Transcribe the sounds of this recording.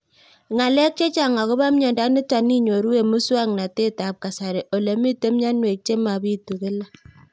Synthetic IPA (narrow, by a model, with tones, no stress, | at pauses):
ŋa˨lɛ˦k̚t͡ʃe˦t͡ʃa˨ŋa˨ko˦ba˦mɲɔ˨nda˦ni˦ta˨ni˦ɲo˨ɾu˦we˨mu˦swa˦ŋna˨te˦ta˨p̚ka˨sa˨ɾe˨ʔo˨le˨mi˦te˦m˦ɲa˦nwe˨k̚t͡ʃe˦ma˨bi˦tu˨ke˦la˦